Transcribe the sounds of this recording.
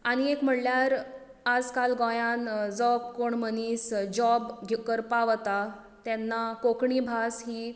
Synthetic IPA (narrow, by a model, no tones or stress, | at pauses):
añiekm̤əɽljaɾ | ad͡zkalɡɔ̃jãnd͡zɔkkoɳmənisd͡ʑɔbɡʱekəɾpaʋt̪a | t̪ɛnːakokɳibʱasɦiː